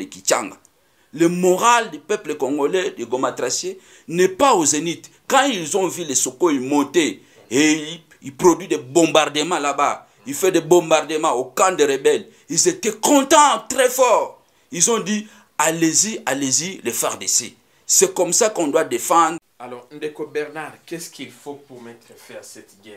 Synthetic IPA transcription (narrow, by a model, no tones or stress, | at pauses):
lekit͡ʃa̰ŋɡa | lemoʁaldepɛplekɔ̃ŋɡolɛdeɡomatʁasje | nɛpaozenit | kɑ̃ilzɔ̃vilesokoimɔ̃te | e | ipʁodɥidebɔ̃mbaʁdəmɑ̃laba | ifɛdebɔ̃mbaʁdəmɑ̃okãdeʁebɛl | ilzetɛkɔ̃tɑ̃tʁɛfɔʁ | ilzɔ̃di | aleziʔalezilefaʁdesḛ | sɛkɔmsakɔ̃dwadefɑ̃dʁ | alɔʁnd̪ekobɛʁnaʁkɛskilfopumɛt̪ʁəfɛasɛt̪ɡɛ